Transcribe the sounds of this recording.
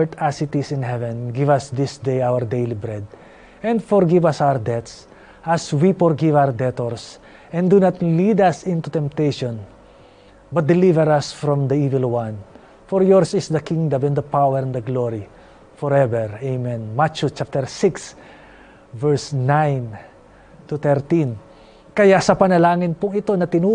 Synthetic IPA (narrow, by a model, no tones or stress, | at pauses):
ɹt̪asɪt̪ɪsɪ̃nhɛvɛ̃nɡivʌsd̪ɪsd̪ejawəɹd̪ejlibɹɛd̪̚ | ɛ̃nd̪fɔɹɡivʌsawəɹd̪ɛt̪s | ʔaswifɔɹɡivawəɹd̪ɛt̪ɔɹs | ɛ̃nd̪unat̪lid̪ʌsɪ̃nt̪ut̪ɛ̃mp̚t̪ejʃɔ̃n | bɐt̪̚d̪ɛlivɛɾɐsfɹɔ̃md̪ɐivɪlˠwʌ̃n | fɔɹjɔɹsɪsd̪ɐkĩŋd̪ɐ̃mɛ̃nd̪ɐpawɛɾɛ̃nd̪ɐɡloɹi | fɔɹɛvɛɹejmɛ̃nmat͡ʃut͡ʃap̚t̪ɛɹsɪks | vɛɹsnãjn | t̪ut̪ɛɹt̪ĩn | kɐjasɐpɐnɐlaːŋɪnpʊŋɪt̪onɐt̪ɪnu